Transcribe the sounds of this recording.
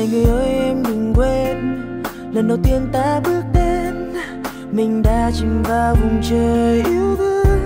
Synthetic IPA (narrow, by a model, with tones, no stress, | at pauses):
jŋɨ˨˩əjʔəː˨˧˦jʔɛ˧mɗɨ˨˩ŋkwe˧n | lə˨˩nɗə˨˩wt̪i˧ənt̪aː˧˥ɓɨ˦˥ək̚ɗe˧n | mï˨˩ŋ̟ɗaː˧˥t͡ɕï˨˩ŋvaː˧˩vʊ˨˩ŋ͡mt͡ɕəː˨˩jʔi˧˦əwvɨ˧˦n